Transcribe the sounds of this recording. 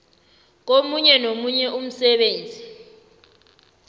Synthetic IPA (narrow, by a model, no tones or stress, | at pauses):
k̬omuɲɛnomuɲɛʔum̩sɛɓeːnd͡zʱi